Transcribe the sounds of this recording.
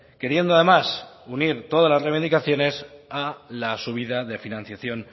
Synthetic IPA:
ke̞ɾje̞nd̪oaðe̞masuniɾt̪o̞ðazlazreβinikaθjo̞ne̞salasuβ̞iðaðe̞finãn̟θjaθjo̞n

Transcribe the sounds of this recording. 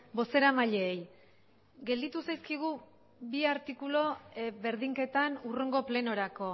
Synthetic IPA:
bo̞se̞ɾamaʎeːj | ɡe̞ld̪it̪usajskiɣ̞u | biaɾt̪ikulo̞βe̞ɾðiŋke̞t̪anureŋɡo̞ple̞no̞ɾako̞

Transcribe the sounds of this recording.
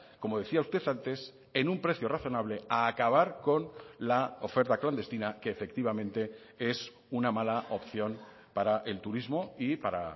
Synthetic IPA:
ko̞mo̞ð̞e̞θiaust̪e̞θant̪e̞s | e̞nũmpɾe̞θjo̞raθo̞naβ̞le̞aːkaβ̞aɾko̞nlao̞fe̞ɾt̪akland̪e̞st̪inake̞ːfe̞k̚t̪iβ̞amẽnt̪e̞ | e̞s | unamalaopθjo̞n | paɾaʔe̞lt̪uɾizmo̞ipaɾa̰

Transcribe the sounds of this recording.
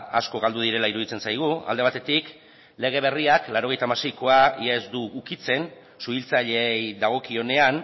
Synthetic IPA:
a̰sko̞ɣald̪uð̞iɾe̞laiɾuðit͡se̞nsajɣ̞ua̰ld̪e̞β̞at̪e̞t̪ik | le̞ɣ̞e̞βe̞riaklaɾo̞ɣe̞jt̪aːmase̞jko̞aiezd̪uːkit͡se̞n | suβilt͡saʎe̞jðaɣ̞o̞kio̞ne̞an

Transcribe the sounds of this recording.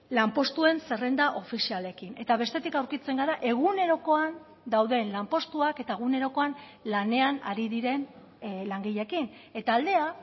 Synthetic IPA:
lampo̞st̪ue̞nse̞rend̪aʔo̞fisiale̞kine̞t̪aβ̞e̞st̪e̞t̪ikawɾkit͡se̞ŋɡaɾaʔe̞ɣ̞une̞ɾo̞ko̞an | d̪awðe̞nlampo̞st̪uake̞t̪ae̞ɣ̞une̞ɾo̞ko̞an | lane̞ana̰ɾiðiɾe̞n | laŋɡiʎe̞kine̞t̪aːld̪e̞a

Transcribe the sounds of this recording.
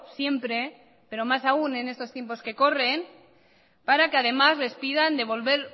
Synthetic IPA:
sje̞mpɾe̞ | pe̞ɾo̞masaune̞nest̪o̞st̪je̞mpo̞ske̞ko̞re̞n | paɾakeað̞e̞mazle̞spiðand̪e̞β̞o̞lβe̞ɾ

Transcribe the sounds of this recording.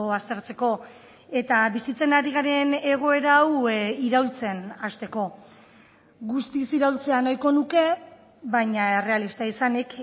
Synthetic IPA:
ast̪e̞ɾt͡se̞ko̞ | e̞t̪aβisit͡se̞naɾiɣaɾe̞ne̞ɣ̞o̞e̞ɾawiɾawlt͡se̞nast̪e̞ko̞ | ɣust̪isiɾawlt͡se̞anajko̞nuke̞ | βajɲae̞re̞alist̪aisanek

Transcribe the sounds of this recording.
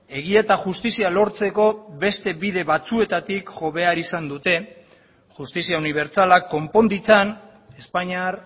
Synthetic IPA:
e̞ɣ̞ie̞t̪aʝust̪isialo̞ɾt͡se̞ko̞βe̞st̪e̞βiðe̞βat͡sue̞t̪at̪ikʝo̞βe̞aɾisand̪ut̪e̞ | ʝust̪isiauniβ̞e̞ɾt͡salakːo̞mpo̞nd̪it͡san | e̞spaɲaɾ

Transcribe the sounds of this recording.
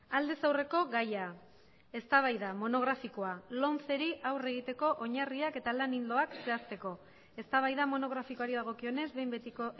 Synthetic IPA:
ald̪e̞sawre̞ko̞ɣaja | e̞st̪aβ̞ajðamo̞no̞ɣ̞ɾafiko̞alo̞nt͡se̞ɾiʔawre̞ɣ̞it̪e̞ko̞ʔoɲariake̞t̪alanind̪o̞akse̞ast̪e̞ko̞ | e̞st̪aβ̞ajðamo̞no̞ɣ̞ɾafikoaɾiðaɣ̞o̞kio̞ne̞zβe̞jmbet̪iko

